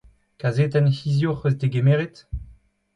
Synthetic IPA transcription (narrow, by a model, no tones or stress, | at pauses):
kazet̪ɛnhizjoχøzd̪eɡemeʁet̪